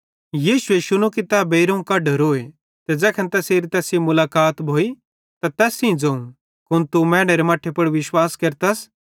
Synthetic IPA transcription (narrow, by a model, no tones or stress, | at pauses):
jiːʃʊeʃʊñũkit̪abeɪɾɐũkɐɖɐɾoːe | t̪ɛd͡zɛːkʰɐ̃nt̪ɛːseːɾit̪ɛːsĩmʊlaːkaːt̪bʱoːi | t̪at̪ɛːsĩd͡zɐũ | kʊñt̪umɛːɽ̃eɾemaːʈʰːepɐɽʋɪʃwaːskɐɾt̪ɐs